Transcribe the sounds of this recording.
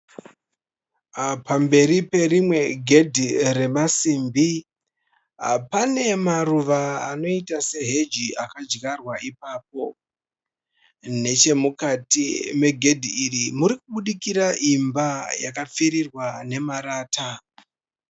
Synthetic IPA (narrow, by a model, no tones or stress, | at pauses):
pambe̞ɾipe̞rimwe̞ɡʱe̞dʱire̞masimbi | pane̞maruʋaːno̞itase̞ɦe̞d͡ʒiakad͡ʒɣarwaipaːp̚o̞ | ne̞t͡ʃe̞mukatḭme̞ɡʱe̞dʱiːrimuɾikuɓuɗikiɾaʔimbajakap͡fiɾirwane̞maɾaːta